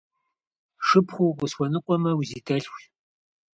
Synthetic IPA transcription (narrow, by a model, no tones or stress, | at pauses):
ʂɨpχʷukʷʊsxʷɔnɨqʷʼɔmɐwzitʰɐɬxʷ